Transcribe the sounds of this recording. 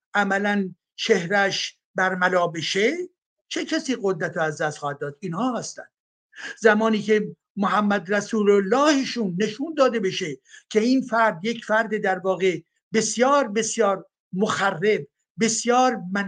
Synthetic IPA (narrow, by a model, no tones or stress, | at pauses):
ʔæmælæn | t͡ʃʰe̞hɾæʃ | bæɾmælɒːbe̞ʃe | t͡ʃʰe̞cʰæsiːɣod̪ɾæt̪ʰoæzd̪æst̪χɒːhæd̪̚ːɒːd̪̥iːnhɒːhæst̪æ̰nd̪̥ | zæmɒːniːcʰe̞ | moɦæmːæd̪ɾæsuːlolːɒːheʃuːnːe̞ʃuːnd̪ɒːd̪ebe̞ʃecʰe̞iːnfæɾd̪je̞cʰfæɾd̪ed̪æɾvɒːɣe̞ | be̞sjɒːɾbe̞sjɒːɾ | moxærːe̞b̚ | be̞sjɒːɾmæn